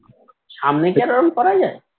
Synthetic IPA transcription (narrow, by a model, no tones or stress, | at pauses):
ʃamnekɛɾoɾonkɔɾad͡ʑae